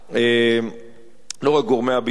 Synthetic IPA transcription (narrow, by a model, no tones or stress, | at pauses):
e | noʁeɡoʁmeabi